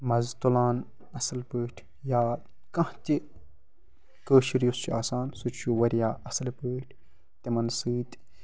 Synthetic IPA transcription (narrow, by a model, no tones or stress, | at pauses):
mɐzt̪ulaːn | ɐsɐlpəːʈʰ | jaː | kɐ̃ht̪ʲi | kəːʃiɾjust͡ʃʰuaːsaːnsut͡ʃʰt͡ʃʰuʋɐɾjaːʔɐsɐlpɨːʈʰ | t̪emɐnsɨːt̪ʲ